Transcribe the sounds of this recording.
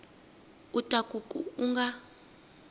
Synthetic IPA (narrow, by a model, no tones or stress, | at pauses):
utʼakʼukʼṵuŋɡa